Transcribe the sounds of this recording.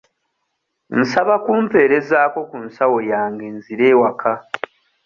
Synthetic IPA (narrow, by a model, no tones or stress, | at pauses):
n̩saβakuːmpe̞ːɾe̞zaːko̞kunsawo̞jaːŋɡe̞nziɾe̞ːwakʰa